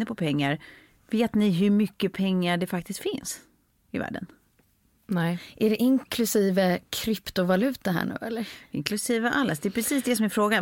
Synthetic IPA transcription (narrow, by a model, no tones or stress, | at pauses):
əpʰɔpʰɛŋːaɾ | veːt̪nɪɦɵɾmʏkːəpʰɛŋːaɖɛfakt̪ɪst̪fɪns | ɪvæ̰ːɖə̰n | ʔæɖɛʔɪŋkʰlɵsiːvəkʰɾɪpt̪ʊvalʉ̟ːt̪aɦæ̰ːɳʉ̟̰ːɛlːəɾɪŋkʰlɵsiːvəʔalːasd̪ɛpɾɛsiːsd̪ɛsɔmæɾfɾoːɡa